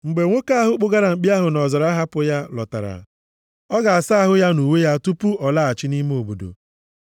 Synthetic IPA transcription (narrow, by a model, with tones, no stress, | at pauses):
ŋ͡m̩˨ɡ͡be˨ŋʷo˦ka˦a˦ɦʊ˦k͡pʊ˦ɡa˦ɾa˨ŋ͡m̩˨k͡pi˦a˦ɦʊ˨nɔ˨zɔ˨ɾa˦ɦa˦pʊ˦ja˦lɔ̰˨ta̰˨ɾa̰˨ | ɔ˦ɡa˨a˨sa˦a˦ɦʊ˦ja˦nu˨we˦ja˦tu˦pu˦ɔ˨la˦a˨t͡ʃɪ˦ni˦me˦o˨bo˨do̰˨